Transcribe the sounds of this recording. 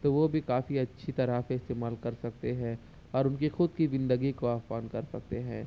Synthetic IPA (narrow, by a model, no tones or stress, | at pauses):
t̪oːʋobʱikaːfiɐtːʃʰit̪ɐɾafeɪst̪eːmaːlkɐɾsɐk̚t̪eɦɛ̃ | ɔːɾʊnkixʊd̪̚kiʋɪ̃nd̪əɡikoaːfaːnkɐɾsɐk̚t̪eɦɛ̃ː